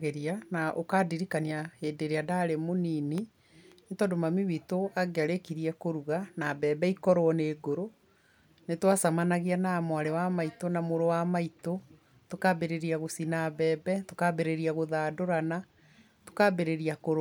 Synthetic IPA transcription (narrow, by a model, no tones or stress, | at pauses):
ɣeɾianaʔokaːdiɾikaniaheːdeɾeadaɾemonini | netɔndomamiwitoaɡeaɾekiɾiɛkoɾuɣanaːβɛːbɛikɔɾoɔneːɡoɾo | netwasamanaɣianamwaɾewamaitonamoɾowamaito | tokabeɾeɾiaɣosinaβɛːbɛtokaβeɾeɾiaɣoðadoɾana | to̥kaːbeɾeɾiakoɾo